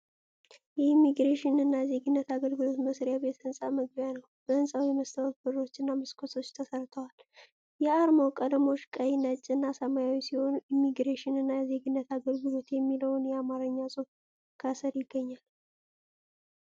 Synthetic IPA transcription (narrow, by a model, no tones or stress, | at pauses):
jɛimːiɡɾeʃɪnɨnːajɛze̞ɡɨnːət̪aɡəlɡɨlo̞t̪məsɾjaβe̞t̪ɨnsʼaməɡ̚bjanəwb̥əɨnsʼawjɛməst̪ʰəwot̪̚bɨɾːot͡ʃːɨnːamɨskʰosʰo̞t͡ʃːt̪ʰəsəɾt̪ʰəwal | jɛaɾmowkʼəd̪mo̞ʃkʼəjnət͡ʃʼːnːasəmajawisiho̞nuʔimːiɡɾeʃɪnɨnːajɛze̞ɡɨnːət̪aɡəlɡɨlo̞t̪jɛmːiləwnjɛamaɾəɲːasʼof | kʰasəɾjɪɡːəɲːal